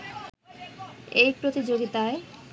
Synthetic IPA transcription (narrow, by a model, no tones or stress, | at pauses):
ejpɾot̪id͡ʑoɡit̪ae